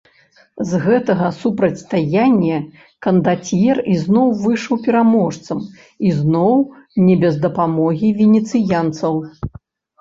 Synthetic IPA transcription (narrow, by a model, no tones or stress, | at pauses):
zɣɛt̪ɐɣɐsupɾɐt͡sʲst̪ajanʲːɛ | kɐnd̪at͡sʲjɛriznɔwvɨʂɐwpʲɛɾamɔʂt̪sɐm | iznɔwnʲɛbʲɛzd̪ɐpamɔɣʲivʲɛnʲɛt̪sɨjant̪sɐw